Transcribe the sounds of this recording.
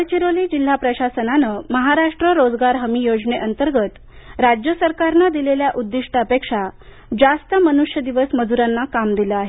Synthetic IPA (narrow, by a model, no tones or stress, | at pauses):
ɭt͡ɕiɾoliːd͡ʑil̤ːapɾəɕasənanəməɦaɾaʂʈɾəɾod͡zɡaɾɦəmijod͡zneʔənt̪əɾɡət̪ | ɾad͡ʑjəsəɾkaɾnad̪ileljaʔud̪ːiʂʈəəpekʂa | d͡zast̪əmənuʂjəd̪iʋəsməd͡zuɾanːakamd̪iləaɦe